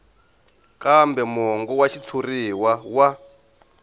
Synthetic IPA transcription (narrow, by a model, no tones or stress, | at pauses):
kʼambɛmɔŋɡɔwaʃit͡sʰuriwawa